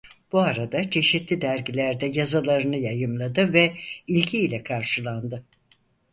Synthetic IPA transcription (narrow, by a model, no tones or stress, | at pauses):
b̥uaɾad̪at͡ʃʰe̞ʃit̪lʲid̪æɾɟilʲæɾd̪ɛjazalˠaɾɯnɯjajɯmlˠad̪ɯvɛilʲɟʰiːlʲɛkʰaɾʃɯlˠand̪ɯ